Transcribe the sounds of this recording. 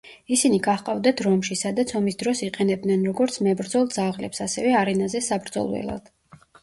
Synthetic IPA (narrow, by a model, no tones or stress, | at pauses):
isiniɡaχqʼavd̪at̪ʰɾɔmʃisad̪at̪sʰɔmisd̪ɾɔsiqʼɛnɛb̚d̪nɛnɾɔɡɔɾt̪sʰmɛbɾd̪zɔlˠd̪zaʁlɛ̰psasɛvɛaɾɛnazɛsabɾd̪zɔ̰lˠwɛ̰lˠa̰d̪̥